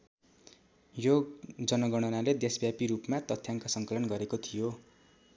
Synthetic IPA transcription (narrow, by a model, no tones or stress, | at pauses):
jod͡zʌnʌɡʌɽ̃ʌnaled̪esbjapiɾupmat̪ʌt̪ʰːjaŋkasʌŋkʌlʌnɡʌɾekot̪ʰijo